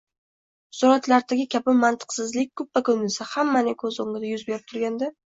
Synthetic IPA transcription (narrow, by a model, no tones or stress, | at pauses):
sʊɾat̪laɾd̪aɡʲɪkʲʰabɪmant̪ʰɨ̥qsɪzlɪk̚ʲkʰːɵp̚vakʰɵnɪsahamːanɪkʰɵzoŋɡɪd̪ajʊzbe̞ɾɪp̚t̪ʰʊɾɡʲand̪a